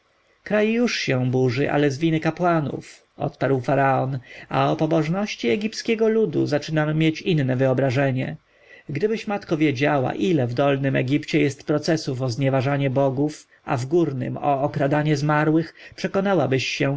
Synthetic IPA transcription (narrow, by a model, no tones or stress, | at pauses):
kɾajjuʂɕɛ̃buʐɘʔa̰lɛzvʲinɘkapwanṵf | ɔ̰t̪paɾwfaɾaɔnaɔpɔbɔʐnɔɕt͡ɕiɛɡʲiptskʲɛɡɔlud̪ṵzat͡ʂɘnamʲːjet͡ɕinːɛvɘɔbɾaʐɛɲɛ̰ | ɡd̪ɘbɘɕmat̪kɔvʲjed͡ʑawa̰ʔilɛvd̪ɔlnɘmɛ̰ɡʲipt͡ɕɛjɛst̪pɾɔt̪sɛsufɔzɲɛvaʐaɲɛbɔɡuf | a̰vɡuɾnɘ̰mɔːkɾad̪aɲɛzmaɾwɘxpʂɛkɔnawabɘɕːɛ